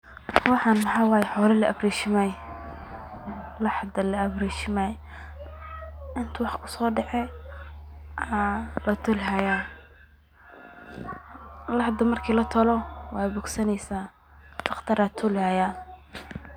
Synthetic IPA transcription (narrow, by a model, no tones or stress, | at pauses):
wɑħɑːnħɑwɑːjɛħɔːlɐlɐʔɐbɾiʃɪmɛj | lɑħd̪ɐlɐɐbriːt͡ʃɪmɛj | ɪnt̪ʰʊwɑħkʰʊ̥sɔːɖɛʕɛ | alɐt̪ʰʊlɦɐjaː | lɑħd̪ʊmɐrkʰiːlɐt̪ʰɔlɔwɑːbʊɡsɐnɛjsaː | t̪ɑχt̪ʰɐɾat̪ʰʊlhajaː